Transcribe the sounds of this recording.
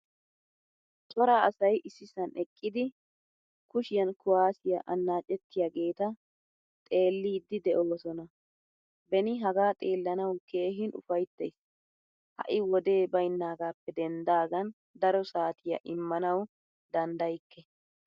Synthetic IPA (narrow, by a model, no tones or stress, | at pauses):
t̪ʼɔɾaɐsɐjʔɪsːɪsɐnɛkʼːɪd̪ɪ | kʊʃɪjɐnkʊwaːsɪjɐʔɐnːaːt͡ʃʼːɛt̪ːɪjaɡe̞ːt̪ɐ | t̪ʼe̞ːlːiːd̪ːɪd̪ɛʔoːsɔnɐ | bɛnɪɦɐɡaːt̪ʼeːlːɐnɐwke̞ːɦɪnʔʊ̰fɐjt̪ːɛjs | hɐ̰ʔɪwɔd̪e̞ːbɐjnːaːɡaːpːɛd̪ɛnd̪aːɡɐn | d̪ɐɾɔsaːt̪ʰɪjɐ̰ʔɪmːɐnɐw | d̪ɐnd̪ɐjkːɛ